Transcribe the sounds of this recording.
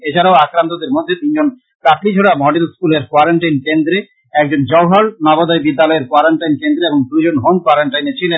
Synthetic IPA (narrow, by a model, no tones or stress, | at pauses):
et͡ɕʰaɾaoakɾant̪od̪eɾmod̪ʱːet̪ind͡ʑon | kaklid͡ʑʱoɽamɔɖelskuleɾkwaɾaɳʈajnkend̪ɾe | ɛk̚d͡ʑond͡ʑɔwɦaɭnɔbod̪ɔebid̪ːalɔeɾkwaɾaɳʈajnkend̪ɾeeboŋpɾud͡ʑonɦonkwaɾaɳʈajnet͡ɕʰilen